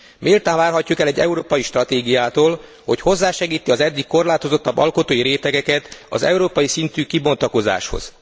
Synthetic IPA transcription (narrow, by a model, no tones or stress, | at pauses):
meːlt̪aːɱvaːrɦɒcːukɛlɛɟːɛ̰uɾoːpɒjiʃt̪rɒt̪eːɡijaːt̪oːl | ho̞cho̞zːaːʃɛɡiːt̪iɒzɛd̪ːikːo̞rlaːt̪o̞zo̞t̪ːɒbːɒ̰lko̞t̪oːjiɾeːt̪ɛɡɛkɛt̪ɒ̰zɛ̰uɾoːpɒjisint̪yːkibo̞nt̪ɒko̞za̰ːʃho̰z̥